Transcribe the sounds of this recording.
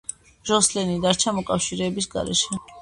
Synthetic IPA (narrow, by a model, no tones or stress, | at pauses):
ʒɔslɛnid̪aɾt͡ʃʰamɔkʼafʃiɾɛːbisɡa̰ɾɛ̰ʃɛ